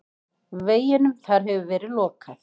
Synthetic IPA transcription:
veːjɪnʏmθaɾ̥ɦɛvʏvɛːɾɪðlɔːkaθ

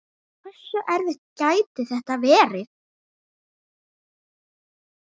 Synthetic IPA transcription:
kʰɛsːœʔɛɾðɛht̪caːjt̪ɪθɛht̪avɛːɾɪð

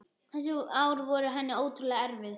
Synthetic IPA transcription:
θɛs̬ʏaːwɾvɔɾʏɦɛnːɪoːwt̪ʰɾʏlaɣɛɾvɪð

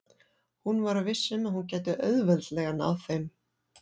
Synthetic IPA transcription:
hunvaɾavɪsːʏmaðhuncɛːjt̪ʏʔœɥðvɛðt̪lɛɣana̰wθejm

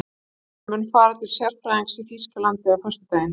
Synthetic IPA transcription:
mʏnfaːɾat̪ɪl̥sjɛɾ̥fɾaiŋsifiskalant̪ɪawfœst̪ɪ̥t̪aːjɪn

